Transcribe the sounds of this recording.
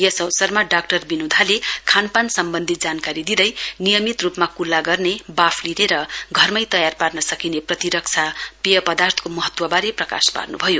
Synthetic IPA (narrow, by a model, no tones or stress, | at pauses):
jʌsʌwsʌrmaɖak̚ʈʌrbinud̪ʱalekʰanpansʌmbʌnd̪ʱit̪̚d͡zankaɾid̪id̪ʌjnijʌmit̪rupmakulːaɡʌrnebapʰlineɾʌɡʱʌrmʌjt̪ʌjarparnʌsʌkineprʌt̪iɾʌk̚t͡sʰapijʌpʌd̪art̪ʰʌ̥komʌɦʌt̪wʌbaɾeprʌka̰spa̰rnubʱʌjo